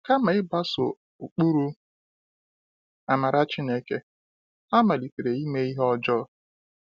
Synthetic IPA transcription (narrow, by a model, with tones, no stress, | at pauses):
ka˦ma˨˦ɪ˦ba˦sʊ̰˨ | u˨k͡pu˦ɾu˦ | a˨ma˨ɾa˦t͡ʃi˦ne˦ke˦ | a˦ma˨li˨te˨ɾe˨i˦me˦i˦ɦɔ˦d͡ʒɔ˦